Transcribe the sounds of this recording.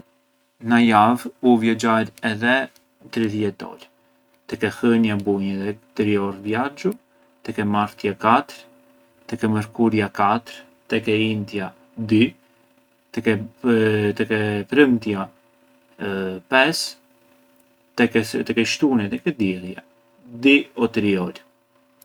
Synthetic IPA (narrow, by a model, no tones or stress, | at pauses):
najavuvjɔd͡ʒaɾɛðɛ | t̪ɾiðjɛt̪̚ːɔ̰l | t̪ɛkɛhəɲabuɲɛðɛt̪ɾiɔɾvjaɾd͡ʒu | t̪ɛkɛmaɾt̪jakat̪əɾ | t̪ɛkɛməɾkuɾjakat̪ɾ | t̪ɛkɛint̪ja | d̪y | t̪ɛkɛ | t̪ɛkɛpɾəmt̪ja | pɛs | t̪ɛkɛt̪ɛkɛʃt̪unɛt̪ɛkɛd̪ɛlja | d̪iɔt̪ɾiɔl